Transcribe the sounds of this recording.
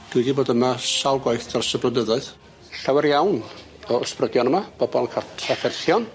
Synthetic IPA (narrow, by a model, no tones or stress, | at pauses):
ɡ̥idiboːdəmaʃalˠɡwajθdʰarsəbrədəðaɨð | ɬawɛɾjawn | ɔɔsprədjɔnəmab̥ɔbɔnkʰatʰrafɛrθjɔn